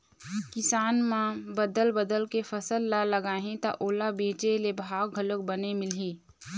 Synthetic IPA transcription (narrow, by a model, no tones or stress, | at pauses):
kɪsaːnmãbəd̪əlbəd̪əlkefʰəsəlːaləɡaːɦẽt̪aʔoːlabẽːt͡ʃelebʱaːɡɡʱələk̚bənemɪlɦĩː